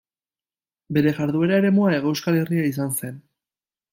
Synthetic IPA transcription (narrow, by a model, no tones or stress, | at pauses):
be̞ɾe̞ʝaɾðue̞ɾaeɾe̞muae̞ɣowskale̞riais̬anse̞n